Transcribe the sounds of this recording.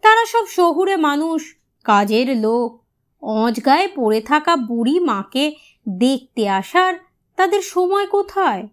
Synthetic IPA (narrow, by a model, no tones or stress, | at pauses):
t̪aɾaʃɔbʃoɦuɾemanuʃ | kad͡ʑeɾlok̚ | ɔ̃d͡ʑɡaepoɾet̪ʰakabuɾimãke | d̪ek̚ʰt̪eaʃaɾ | t̪ad̪eɾʃɔmɔekot̪ʰae